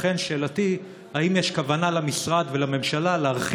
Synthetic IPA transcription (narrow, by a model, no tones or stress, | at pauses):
χe̞nʃe̞ːlat̪i | haimjeʃkavanalamisʁad̪velame̞mʃalaleaʁχ